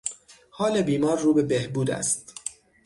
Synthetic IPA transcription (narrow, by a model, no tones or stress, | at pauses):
hɒːlebiːmɒːɾːuːbe̞behbuːd̪æ̰st̪